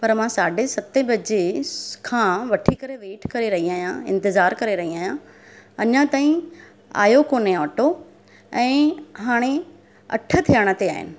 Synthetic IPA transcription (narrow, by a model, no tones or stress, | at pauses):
pɐɾmãːsaːɖʱesɐt̪ebɐd͡ʑekʰãːʋɐʈʰikɐɾeʋeːʈʰkɐɾeɾɐɦiaːijãɪ̰̃nt̪ɪzaːɾkɐɾeɾɐɦiaːɦjã | ɐɲãt̪aːĩ | a̰ːjokoːneɔːʈo | ɛ̃ːɦaːɽ̃e | ɐ̰ʈʰə̆t̪ʰijəɽ̃ət̪eaːɦɪ̰nɪ̆